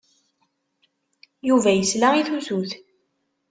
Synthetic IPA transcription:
juvæjəslaʁiθuθuθ

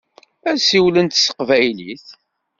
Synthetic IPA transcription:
æsiwlənt̪sə̥qvæjliθ

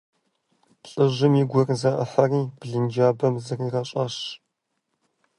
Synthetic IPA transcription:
ɬʼɨʒɨmjɪɡʷɔrzɐʔə̰ħɐriːb̥ɮɨnd͡ʒaːbɐmzɨriːrɐɕʼɐɕ

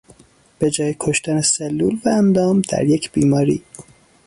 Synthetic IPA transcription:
b̥e̞d͡ʒɒːjekʰoʃt̪æneselːuːlvæːnd̪ɒːmd̪æ̰ɾjecʰb̥iːmɒːɾḭː

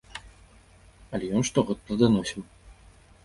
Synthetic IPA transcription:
ɐlʲɛjɔnʂt̪ɔɣɔt̪ːlɐd̪anɔsʲim

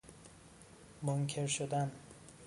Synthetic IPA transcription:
moŋkʰe̞ɾʃod̪æn

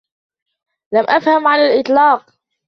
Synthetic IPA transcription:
lamʔafhamʕanalʔɪt̪ˤlɑːq

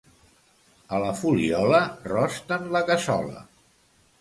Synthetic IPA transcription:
ələfuliɔlərɔst̪ənləkəsɔ̰lə̰

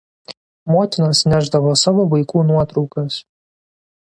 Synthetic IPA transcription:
moːt̪ʲɪnɐsnʲæˑʒd̪ɐʋoːsɑʋoːʋɐɪkuːnuɔt̪ɾɒʊkɐs

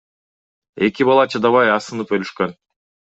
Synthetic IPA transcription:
e̞kʲibɑlˠɑt͡ʃʰɯd̪ɑβɑjɑsɯnɯpølyʃkø̞n

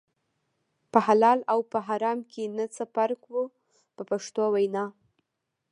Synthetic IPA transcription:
pəhalɑlawpəɦɑɾɑmkʰenət͡səpaɾkwu | pəpaʂt̪owajnɑ

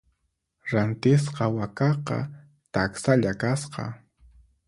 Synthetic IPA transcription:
ɾant̪ɪs̬qɑwakɑqɑ̰ | t̪aksaʎakasqɑ̰

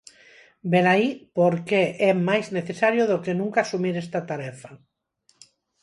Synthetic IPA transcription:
belaipoɾkeʔɛmajzneθesaɾjoðokenũŋkaːsumiɾɛst̪at̪aɾɛfa

